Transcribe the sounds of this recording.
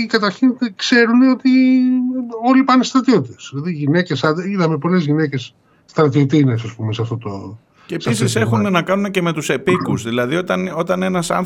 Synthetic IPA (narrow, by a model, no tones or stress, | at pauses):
ikɐt̪ɐɾçinkse̞ɾune̞o̞t̪i | o̞lipɐnest̪ɾɐt̪io̞t̪it̪esðilɐðiʝine̞cesɐd̪eiðɐmepo̞le̞zʝine̞ce̞s | st̪ɾɐt̪iot̪inesɐspumeseɐft̪o̞t̪o | ceːpisise̞xune̞nɐkɐnunece̞me̞t̪use̞pikuzðilɐðio̞t̪ɐno̞t̪ɐne̞nɐsɐ̰n